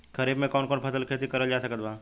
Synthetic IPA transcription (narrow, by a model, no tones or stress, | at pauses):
kəɾiːbmẽkɔːnkɔːnpʰəsəlkʰeːt̪ikəɾəld͡ʒaːsəkət̪baː